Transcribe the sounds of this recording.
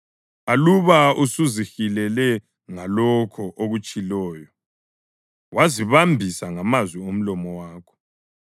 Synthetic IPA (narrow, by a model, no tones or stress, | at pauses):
aluβausuzixilɛlɛ | ŋalɔkʰɔʔoɣut͡ʃʼilɔːjɔ | wʔaziβambʱisaŋamazwiom̩lɔmɔwaːkʰɔ̥